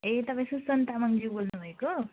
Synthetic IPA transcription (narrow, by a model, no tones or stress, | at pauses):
et̪ʌpãj̃susʌnt̪amʌŋd͡ʒibolnubʱʌeko